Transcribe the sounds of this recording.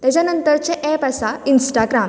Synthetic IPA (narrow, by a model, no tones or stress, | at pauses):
t̪jat͡ɕjanənt̪əɾt͡ɕeʔɛpasainsʈaɡɾam